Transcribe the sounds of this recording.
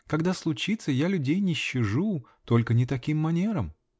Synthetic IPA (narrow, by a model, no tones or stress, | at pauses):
kɐɡd̪aslˠʊt͡ɕit̪səjalʲʉdʲejnʲɪɕːɪʐu | t̪o̞lʲkənʲɪt̪ɐkʲimːɐnʲe̞ɾəm